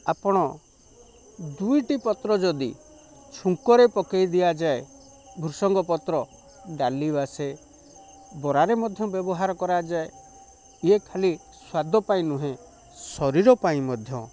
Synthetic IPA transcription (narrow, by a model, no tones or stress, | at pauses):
apɔɽ̃ɔ | d̪ujʈipɔt̪ɾɔd͡ʒɔd̪ḭ | t͡ʃʰuŋkɔɾepɔkejd̪ijad͡ʒae | bʱuɾsɔŋɡɔpɔt̪ɾɔ | ɖalibase | bɔɾaɾemɔd̪ʱjɔbjɔbɔɦaɾɔkɔɾad͡ʒae | iekʰali | swad̪ʱɔpaĩnũɦẽ | sɔɾiɾɔpaĩmɔd̪ʱjɔ̰